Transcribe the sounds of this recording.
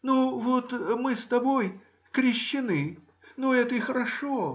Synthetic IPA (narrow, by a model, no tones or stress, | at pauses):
nuvot̪mɨst̪ɐboj | kɾʲɪɕːɪnɨ | noɛt̪əixəɾɐʂo